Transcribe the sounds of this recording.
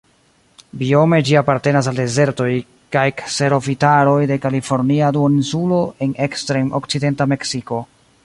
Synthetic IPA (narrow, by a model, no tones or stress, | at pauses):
bio̞me̞d͡ʒiapaɾte̞nas̬alde̞ze̞ɾto̞j | kajkse̞ɾo̞fitaɾo̞jde̞kalifo̞ɾniaduoinsulo̞e̞ne̞kstɾemokt͡side̞ntame̞ksiko̞